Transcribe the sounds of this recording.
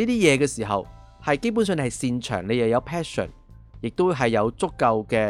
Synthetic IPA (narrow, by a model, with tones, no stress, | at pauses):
niː˥t̪iː˥jɛː˨˧kɛː˧siː˨˩ɦɐ̰˨w | hɐ˨jke˥jp̬uː˨˥ns̬œː˧n˧hɐ˨jsiː˧nt͡ʃʰœ̰ː˨˩ŋne˨˧jɐ˨˩jɐ˨˧wpʰɛː˥sɔ̰˨˩n | jɪ˨k̚t̪o˥wɦɐ˨jːɐ˨˧wt͡sʊ˥kːɐ˧wkɛː˧